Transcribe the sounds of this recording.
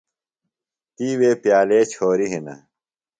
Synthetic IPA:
t̪iːweːpjaːleːt͡ɕʰoːɾiɦinɐ̰

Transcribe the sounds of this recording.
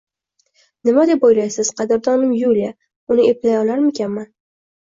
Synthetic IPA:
nɪmad̪e̞pojlajsɪz̥qʰɑd̪ɪɾd̪ɒnɪmjulija | ʊnɪeplajɒlaɾmekʲʰanman

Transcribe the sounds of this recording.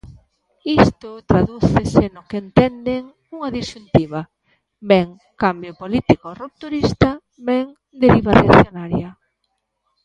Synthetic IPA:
ist̪ʊt̪ɾaðuθesenʊkent̪ɛnd̪eŋ | uŋaðiʃunt̪iβa | bɛŋ | kambjopolit̪ikorup̚t̪uɾist̪a | beŋ | d̪eɾiβareaθjonaɾja

